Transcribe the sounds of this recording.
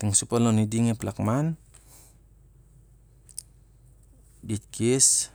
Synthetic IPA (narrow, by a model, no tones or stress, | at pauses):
t̪iŋsupalɔnidiŋeplakman | dit̪̚kʰis